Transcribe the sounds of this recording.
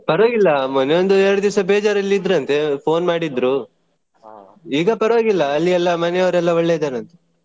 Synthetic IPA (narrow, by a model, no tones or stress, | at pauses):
pɐɾʋoːɡilːɐmɐnejond̪uɛɾɐɽud̪iʋsɐbeːd͡ʒaːɾɐlːiid̪ɾuɐnt̪e̞pʰo̞ːnmaːɽid̪ɾu | iːɡɐpɐɾɐʋoːɡilːɐːlːiɛlːɐmɐnejɐʋɾɛlːɐɔɭːɛd̪aːɾɐnt̪e